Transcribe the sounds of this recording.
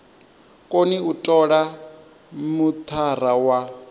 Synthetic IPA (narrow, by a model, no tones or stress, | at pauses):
kʼoniutʼɔɺa | mut̪ʰar̤awa